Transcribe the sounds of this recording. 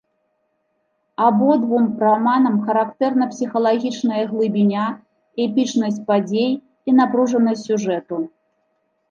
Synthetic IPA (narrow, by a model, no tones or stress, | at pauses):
abɔd̪vumpɾamanɐmxɐɾakt̪ɛrnɐpsʲixɐlˠaɣʲit͡ʂnɐjɐɣlˠɨbʲinʲa | ɛpʲit͡ʂnɐsʲt͡sʲpad͡zʲej | inapɾuʐɐnɐjsʲuʐɛt̪u